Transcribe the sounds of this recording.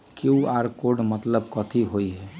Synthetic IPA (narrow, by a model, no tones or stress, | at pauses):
keuaɾkoɾɖmət̪ləbkɔt̪ʰiɦojɦɛ